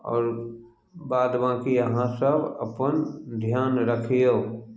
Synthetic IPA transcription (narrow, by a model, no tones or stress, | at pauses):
ɔ̰ːɾ | baːd̪ʋãːkijəɦãsəbʱə̰pənd̪ʱjaːnɾəkʰijoː